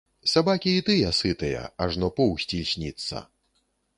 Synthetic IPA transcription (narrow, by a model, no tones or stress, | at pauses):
sabakʲiːt̪ɨjɐsɨt̪ɨjɐ̰ɐʐnɔpɔwsʲt͡sʲilʲsʲnʲit̪sːɐ̰